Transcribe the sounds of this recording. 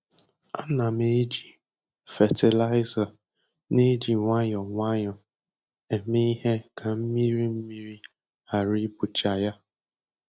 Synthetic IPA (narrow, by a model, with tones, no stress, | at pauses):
a̰˦na˨me˦d͡ʒi˨ | fɛ˨tɪ˨la˦ɪ˦za˨ | ne˦d͡ʒi˨ŋʷa˦ɲɔ˨ŋʷa˦ɲɔ˨ | e˨me˦i˦ɦe˦kʰa˨m̩˦mi˦ɾi˦m̩˦mi˦ɾi˦ | ha˨ɾi˦bu˨t͡ʃa˨ja˦